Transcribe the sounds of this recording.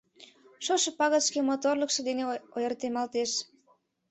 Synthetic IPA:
ʃoʃepɑɣəʃkemot̪orləkʃɤ̆d̪eneojərt̪emɑlt̪eʃ

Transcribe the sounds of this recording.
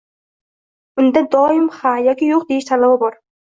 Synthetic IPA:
ʊnd̪ad̪ɒːjɪmχajɒkʲijoq̚d̪eɪʃt̪ʰalˠababɒɾ

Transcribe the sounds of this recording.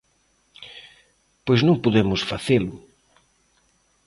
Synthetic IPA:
pojznõŋpoðemʊsfaθelʊ

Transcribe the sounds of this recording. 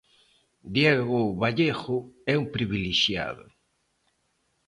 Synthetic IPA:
d̪jɛɣʊβaʎexʊɛumpɾiβiliʃja̰ðʊ̰

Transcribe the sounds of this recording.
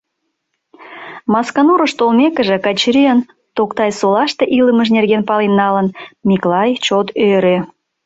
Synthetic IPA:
mɑskɑnoɾəʃt̪olmekəʒĕkɑt͡ɕɾiən | t̪okt̪ɑjsolɑʃt̪eʔiləməʃnerɣenpɑlinːɑlənmʲiklɑjt͡ɕot̪øɾø

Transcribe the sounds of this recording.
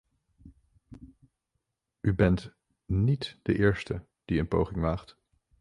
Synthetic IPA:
ybɛnt | nitd̥ə̰ʔɪːɹstə | d̥iənpowχɪŋʋaːχt

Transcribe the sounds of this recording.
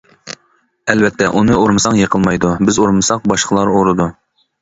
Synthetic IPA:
ɛlvɛt̪ʰːɛʔunɨoɾmɨsɑŋjəqʰəlˠmɑjd̪ubɪzoɾmɨsɑq̚bɑʃqʰəlˠɑɾoɾɨd̪u

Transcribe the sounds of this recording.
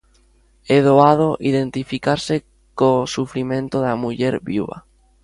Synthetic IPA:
eðoaðoʔiðẽnt̪ifikaɾse | kosufɾimẽnt̪oðamuʎɛɾβuβa̰

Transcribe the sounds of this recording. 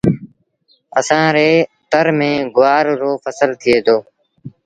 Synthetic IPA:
əsãːɾeːt̪əɾmẽːɡʊʋaːɾːoːfʰəsəlt̪ʰɪeːd̪oː

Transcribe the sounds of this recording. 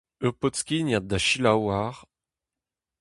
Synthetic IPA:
øpɔt̪skʲinjad̪aʃilawaʁ

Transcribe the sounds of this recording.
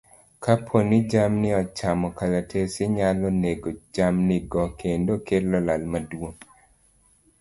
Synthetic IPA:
kʰapʰonɪd͡ʒamnɪɔt͡ʃamɔkalatʰesɪɲalɔneɡod͡ʒamnɪɡɔkʰendokelɔlalmadwoŋ

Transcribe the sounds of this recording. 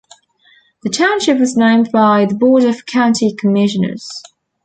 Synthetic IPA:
ðətʰãʊ̃nʃɪp̚wɒznẽɪ̃mbaɪðəbɔːɾəv̥kʰãʊ̃ntʰikʰəmɪʃə̃nə̰z̥

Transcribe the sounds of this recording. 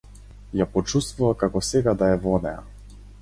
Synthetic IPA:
japɔt͡ʃust̪vuvakakɔsɛɡad̪aɛvɔnɛa̰

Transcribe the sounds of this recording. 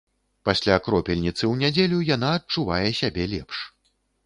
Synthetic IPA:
pasʲlʲakɾɔpʲɛlʲnʲit̪sɨwnʲad͡zʲelʲujanaɐt͡ʂuvajɛsʲabʲɛlʲɛpʂ

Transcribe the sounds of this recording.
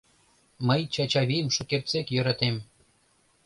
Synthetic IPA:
məjt͡ɕɑt͡ɕɑβʲijəmʃukert̪t͡sekjø̆ɾɑt̪em

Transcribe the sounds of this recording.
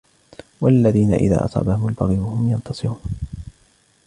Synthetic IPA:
walːaðiːna̰ʔɪ̰ða̰ːʔɑ̰sˤɑ̰ːbahʊmʊlbɑɣiːwahʊmjɑnt̪ɑsˤɨɾuːn

